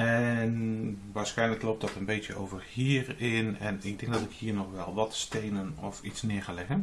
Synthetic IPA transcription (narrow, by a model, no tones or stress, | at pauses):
ɛnʋaːɹsxɛjnləklowp̚tdɔtənbejtjəo̰ːvərhiːərɪnɛ̰nɪɡ̚dɪ̃ŋɡ̚dɔtɪkhiːnɔxʋɛlˠʋɔtstejnənɔfitsnɪəɹxalɪɣən